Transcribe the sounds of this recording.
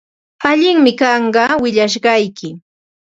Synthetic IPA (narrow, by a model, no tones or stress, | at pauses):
aʎɪŋmɪkɑɴɢɑwɪʎaʃ̬ɢɑjkɪ